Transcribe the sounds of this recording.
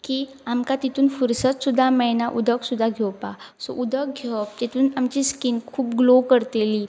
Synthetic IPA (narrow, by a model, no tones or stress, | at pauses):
ki | amkat̪it̪uːnfuɾsət̪sud̪ʱːamɛnaʔud̪ʱəksud̪ʱːaɡʱɛwpasɔ̰ʔud̪ʱək̚ɡʱjopt̪et̪uːnamt͡ɕiskinkʰuːp̚ɡlokəɾt̪eli